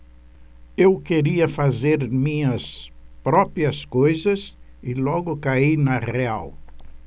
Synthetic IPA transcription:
ewkeɾiɐfazeɾmĩɲɐspɾɔpɾiɐskojzɐs | ɪlɔɡʊkaijnɐʁea̰w

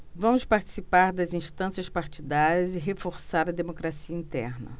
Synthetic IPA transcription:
vɐ̃mʊspaɾt͡ʃi̥sipaɾd̪ɐzĩʃt̪ɐ̃siɐspaɾt͡ʃid̪aɾɐzɪɦefoɾsaɾɐd̪emokɾasiɐĩnt̪ɛ̰ɾnɐ̰

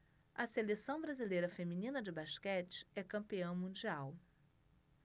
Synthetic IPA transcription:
ɐselesɐ̃w̃bɾazilejɾɐfemĩnĩnɐd͡ʒɪbaʃkɛt͡ʃɪ̥ɛkɐ̃mpiɐ̃w̃mũd͡ʒiaw

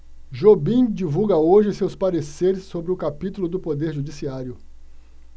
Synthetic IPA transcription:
ʒobĩd͡ʒivuɡɐoʒɪsewspaɾeseɾɪsːobɾɪʊkapit̪ulʊd̪ʊpod̪eɾʒud͡ʒisiaɾjʊ

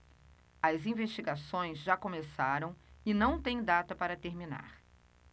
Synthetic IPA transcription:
ɐzĩvest͡ʃiɡasõj̃zʒakõmesaɾɐ̃w̃ɪnɐ̃w̃t̪ẽj̃d̪at̪ɐpaɾɐt̪eɾmina̰ɾ

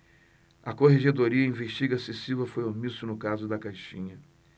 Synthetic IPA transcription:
ɐkoɦeʒed̪oɾiɐĩveʃt͡ʃiɡɐsesivɐfojomisʊnʊkazʊd̪ɐkajʃĩɲɐ

